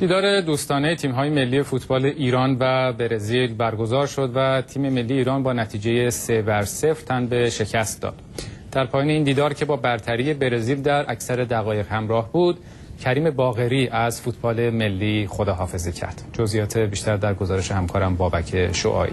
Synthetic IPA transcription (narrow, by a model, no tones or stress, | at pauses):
d̪̥iːd̪ɒːɾe̞d̪uːst̪ɒːnejt̪ʰiːmɦɒːje̞me̞lːijefuːt̪ʰbɒːle̞ʔiːɾɒːnvæbe̞ɾezilbæɾɡo̞zɒːɾʃo̞d̪væt̪ʰiːme̞me̞lːijiːɾɒːnbɒːnæt̪ʰiːd͡ʒe̞jesevæɾse̞fɾt̪ʰænbe̞ʃe̞cʰæst̪̚d̪ɒ̰ːd̪̥d̪̥æɾpʰɒːjɒːneiːnd̪iːd̪ɒːɾcʰe̞bɒːbæɾt̪ʰæɾije̞be̞ɾeziːld̪æɾʔæcʰsæɾe̞d̪æɣɒːje̞ɣhæmɾɒːhbuːd̪ | cʰæɾiːme̞bɒːɣe̞ɾiːʔæzfuːt̪ʰbɒːle̞me̞lːiːχod̪ɒːɦɒːfe̞zicʰæ̰ɾd̪̥d͡ʒozijɒːt̪ʰebiːʃt̪æɾd̪æɾɡozɒːɾeʃe̞hæmkʰɒːɾæmbɒːbæcʰe̞ʃo̰ʔɒ̰ːʔḭ